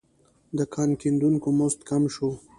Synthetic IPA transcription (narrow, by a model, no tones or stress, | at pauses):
d̪əkʰɑnkind̪uŋkomost̪kamʃo